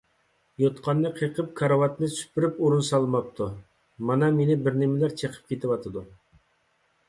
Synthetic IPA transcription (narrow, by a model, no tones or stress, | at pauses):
jot̪qʰɑnːɨqʰeqʰəp̚kʰɑɾɑwɑt̪nɨsy̥pːɪɾypuɾunsɑlˠɨmɑp̚t̪ʰu | mɑnɑmenɪbɪɾnɪmɪlæɾt͡ʃʰeqʰə̥p̚kʲʰet̪ɪwɑt̪ʰɨd̪u